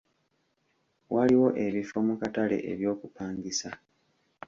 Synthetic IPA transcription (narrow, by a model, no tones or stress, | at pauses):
wʔaliwo̞ʔe̞βifo̞mukatale̞̰ʔḛβjo̞ːkupaːŋɡisa